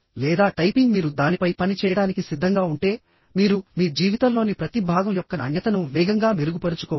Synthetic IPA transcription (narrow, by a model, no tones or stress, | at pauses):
lɛːd̪aːʈɐjpiŋɡmiːɾud̪aːnipɐjpɐnit͡ʃɛːjɐɽaːnikisid̪ʱːɐŋɡaːuɳʈe̞ː | miːɾumiːd͡ʒiːʋit̪ɐlo̞ːnipɾɐt̪ibʱaːɡɐmjɔkːɐɐ̰njɐt̪ɐnuʋɛːɡɐŋɡaːmeɾuɡupɐɾut͡ʃu̥kɔː